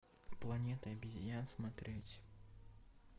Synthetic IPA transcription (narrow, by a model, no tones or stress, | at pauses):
plˠanʲɛt̪ɐɐbʲizʲjansmat̪ɾɛt͡sʲ